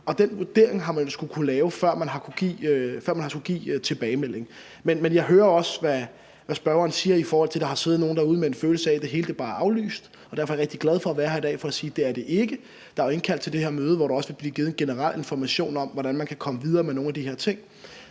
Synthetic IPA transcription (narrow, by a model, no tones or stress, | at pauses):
ɒ̽d̥enʋuɐd̥e̝ɐe̝ŋɦɑ̈mænjo̝sɡ̥ukʰulɛːʊfɶɐ̰mænɦɑ̈kʰuɡ̥ḭːøfɶɐ̰mænhɑskuɡ̥ḭːt͡sʰe̝b̥ɛːɪmel̰e̝ŋ̩ | menmenjɑ̈ɪɦøːɐɒ̽sʋæ | ʋæsb̥ɶɐɐnsiːɐifɒːhɒl̰t͡sʰeld̥ɑ̈hɑ̈se̝ːð̩ˠno̝ːn̩d̥ɑ̈uð̞̩ˠmee̝nføːl̩səæd̥e̝ɦe̝ːləd̥eb̥ɑ̈ːʔɑ̈ʊly̰ːsd̥ | ɒd̥æɐfɒjɐʁɛɡ̥d̥iɡ̥læð̞ˠfɒ̽æʋæːɐhæɐid̥ɛ̰ːfɒæsiːd̥e̝æɐd̥e̝ʔe̝ɡ̥ə | d̥ɑ̈æe̝nkʰæl̰d̥t͡sʰe̝ld̥e̝ɦe̝ɐmøːð̩ˠʋɒɾ̥uɒ̽səʋe̝b̥liːɡ̥iːðˠenɡ̥e̝nəʁal̰ʔe̝nfɒmæɕo̝̰ːnɒ̽m̰ʋɒɾænmænkʰækʰɒ̽məʋið̞ˠɐːmeno̝ːnæd̥iheɐt͡sʰe̝ŋ̰